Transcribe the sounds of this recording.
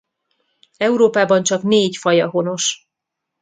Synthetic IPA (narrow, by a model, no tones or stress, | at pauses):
ɛuɾoːpaːbɒnt͡ʃɒkneːcfɒjɒɦo̞no̞ʃ